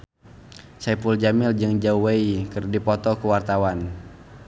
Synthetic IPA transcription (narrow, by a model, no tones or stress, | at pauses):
sɛpuld͡ʒamɪld͡ʒɨŋd͡ʒauweikɨrdipɔt̪ɔkuwart̪awan